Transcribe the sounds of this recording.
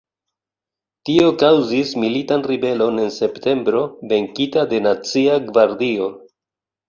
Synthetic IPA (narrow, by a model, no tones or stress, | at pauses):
tio̞kawzismilitanribe̞lo̞ne̞nse̞pte̞mbɾo̞ve̞ŋkitade̞nat͡siaɡvaɾdio̞